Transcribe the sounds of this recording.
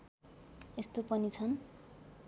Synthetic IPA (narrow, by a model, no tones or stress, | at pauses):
est̪opʌnit͡sʰʌn